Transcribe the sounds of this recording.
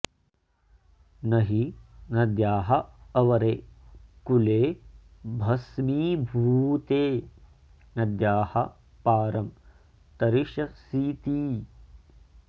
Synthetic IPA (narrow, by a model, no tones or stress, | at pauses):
nɐɦinɐd̪jaːɦɐɐʋɐɾeːkuleːbʱɐsmiːbʱuːt̪eː | nɐd̪jaːhɐ̰ | paːɾɐm | t̪ɐɾiʃɐsiːt̪iː